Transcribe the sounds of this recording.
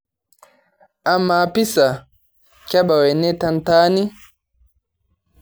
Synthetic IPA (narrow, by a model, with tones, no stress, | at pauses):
a˨˦mːa˨pi˦sa˨ | ka˦ɓa˨wɛ˨nɛ˦ta˦nta˦ni˦